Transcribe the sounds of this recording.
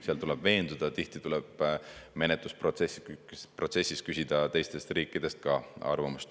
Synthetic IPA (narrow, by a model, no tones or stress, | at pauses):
seɑlt̪ulɛb̥ve̞ːnd̪ud̪̥ɑt̪iht̪it̪ulɛb̥me̞net̪ːˑusprot̪sesːipro̞t̪se̞sʲːis̚kysʲid̪̥ɑt̪e̞jst̪e̞st̪riːkːˑid̪̥e̞st̪̚kɑɑ̰rvɑmust̪